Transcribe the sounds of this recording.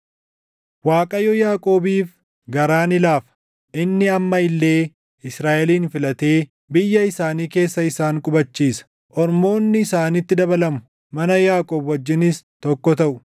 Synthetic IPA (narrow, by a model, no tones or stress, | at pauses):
waːkʼɐjɔjaːkʼo̞ːbiːf | ɡɐɾaːnɪlaːfɐ̥ | ʔɪnːɪɐmːɐɪlːe̞ː | ɪsɾaːʔɛliːnfɪlɐt̪e̞ː | bɪjːɐɪsaːniːke̞ːsːɐɪsaːŋkʼʊbɐt͡ʃːiːsɐ̥ | ʔɔɾmo̞ːnːɪɪsaːnɪt̪ːɪd̪ɐbɐlɐmʊ̥ | mɐnɐjaːkʼoːbwɐd͡ʒːɪnɪst̪ɔkːɔt̪ɐʔʊ